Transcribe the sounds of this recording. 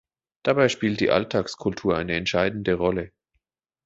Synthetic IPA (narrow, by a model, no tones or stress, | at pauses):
d̥abaɪʃpiːlt̚d̥ḭːʔa̰ltʰaːkskʰʊltʰuːɐʔa̰ɪnəɛntʃaɪdn̩dəʁɔlə